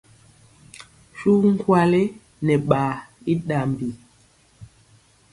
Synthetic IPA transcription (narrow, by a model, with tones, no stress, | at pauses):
ʃu˦ŋ̩˦kwa˦le˦ | nɛ˨ɓaː˨i˦ɗa˨m˨bi˨